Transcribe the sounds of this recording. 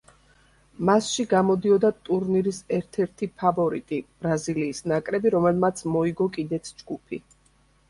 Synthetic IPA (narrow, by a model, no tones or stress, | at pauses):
masʃiɡamɔd̪iɔd̪at̪ʼuɾniɾisɛɾt̪ʰɛɾt̪ʰipʰavɔɾit̪ʼib̥ɾaziliːsnakʼɾɛbiɾɔmɛlˠmat̪sʰmɔiɡɔkʼid̪ɛt̪sʰd͡ʒɡupʰi